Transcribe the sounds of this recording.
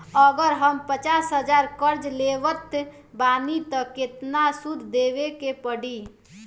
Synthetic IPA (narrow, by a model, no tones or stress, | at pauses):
əɡəɾɦəmpət͡ʃasɦəd͡ʒaɾkəɾd͡ʒleʋət̪ | banit̪ɔket̪nasud̪ʱd̪eʋekepəɽi